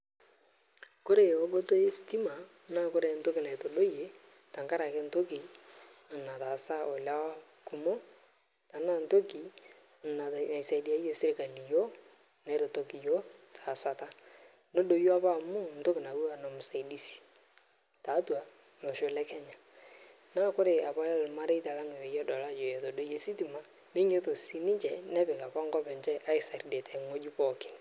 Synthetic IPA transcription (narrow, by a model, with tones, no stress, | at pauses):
ko˦ɾe˨ɔ˦ɡo˦to˦e˦sti˦ma˨ | na˦kʊ˦ɾe˨n̩˦to˦kɪ˨na˨jto˨ɗo˦je˨ | ta˨ŋka˦ɾa˨kɛ˦n̩˦to˦ki˨ | na˨ta˨sa˦ɔ˨la˦w | kʊ˨mo˦ | ta˨na˦˨n˨to˦ki˨ | na˨a˨isa˨di˨a˨˦je˦sɪ˦ɾɪ˨ka˨li˨jo˦ | nɛ˨˦ɾe˨to˨ki˨jo˦tʰa˨sa˨ta˦ | no˦do˨jo˦a˦pa˦˨mu˦n̩˨to˦ki˨na˨wu˦a˨nɔ˨mʊ˨sa˨i˨di˦si̥˨ | ta˨˦twa˨ | lo˨ʃo˨lɛ˦kɛ˦ɲa˨ | na˦kʊ˦ɾɪ˨a˨pa˦lɛ˦lma˦ɾe˦ta˨la˦ŋe˨we˨jɔ˦dɔ˨la˦d͡ʒo˨jɛ˨to˨do˦je˦si˦ti˨ma˨ | nɪ˦ɲe˦to˨si˨nɪ˦t͡ʃɛ˨nɛ˦bɛ˨ka˨pa˦ŋɡɔ˦pɛ˨ɲt͡ʃɛ˦ʔa˦ɪ˨sa˨ɾde˨tʰɛ˨ŋo˦d͡ʒi˦pɔ˦˨kɪ˨n